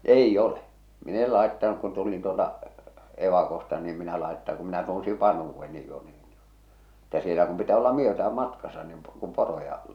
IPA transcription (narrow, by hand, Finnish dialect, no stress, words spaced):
eijː ole min el lɑˑetːɑnuk kun tulin tuoltɑ eʋɑkostɑ niː em minæ lɑetːɑ kum minæ tunsiʋ ʋɑnhuːʋːenːi jo n̥i̥ː etːæ sielæ kum pitæː olːɑ myøtææm mɑtkɑsɑ nin kum porojɑ